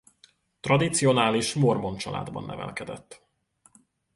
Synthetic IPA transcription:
t̪rɒd̪it̪sijo̞naːliʃmo̞rmo̞nt͡ʃɒla̰ːd̪bɒ̰nːʔɛvɛ̰lkɛd̪ɛt̪ː

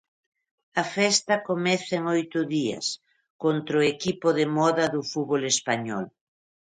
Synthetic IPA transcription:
ɐfɛst̪ɐkomɛθeŋojt̪ʊðiɐ̰s | kont̪ɾoekipʊðemɔðɐðʊfuβolespaɲɔ̰l

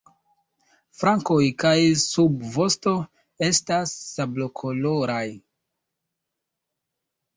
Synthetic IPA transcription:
fɾaŋko̞jkajsubvo̞sto̞ | e̞stasːablo̞kʰo̞lo̞ɾaj

